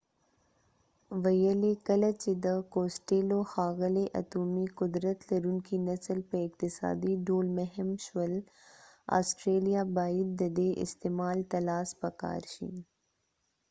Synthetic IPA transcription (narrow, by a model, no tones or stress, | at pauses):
ʋɐjəlekɐlɐt͡ʃid̪əkoːsʈeːloxaːɣəleʔɐ̰t̪uːmikʊd̪ɾət̪lɐɾunkinɐsəlpɐɪkt̪ɪsa̰ːd̪iɖoːlmɐɦəmʃwɐl | a̰ːsʈɾeːlijaːbaːid̪̚d̪ɐd̪eʔɪ̰st̪eːmaːlt̪ɐlaːspɐka̰ːɾʃḭn